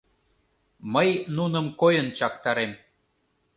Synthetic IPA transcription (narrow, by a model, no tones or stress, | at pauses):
məjnunəmkojənt͡ɕɑkt̪ɑɾem